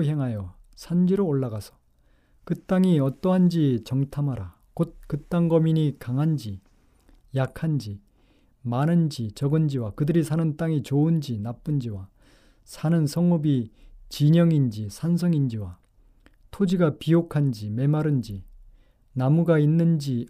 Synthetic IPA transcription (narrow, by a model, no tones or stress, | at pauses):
ɦeŋɦajʌsʰand͡ʑiɾoːɭːaɡasʰʌ̥ | kɯt͈aŋiʌt͈ʌɦand͡ʑit͡ɕʌŋtʰamɦaɾa | kot̚kɯt͈aŋɡʌminikaŋɦand͡ʑi | jakʰand͡ʑi | manɯnd͡ʑit͡ɕʌɡɯnd͡ʑiwakɯdɯɾisʰanɯnt͈aŋit͡ɕoɯnd͡ʑinap͈ɯnd͡ʑiwa | sʰanɯnsʰʌŋubit͡ɕiɲʌŋind͡ʑisʰans̬ʰʌŋind͡ʑiwa | tʰod͡ʑiɡapijokʰand͡ʑime̞maɾɯnd͡ʑi | namuɡainːɯnd͡ʑi